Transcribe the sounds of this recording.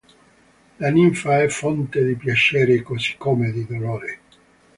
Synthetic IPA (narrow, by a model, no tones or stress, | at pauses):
laniɱfaɛfːɔnt̪ed̪ipjat͡ʃɛːɾekosi̥kːomed̪id̪oloːɾe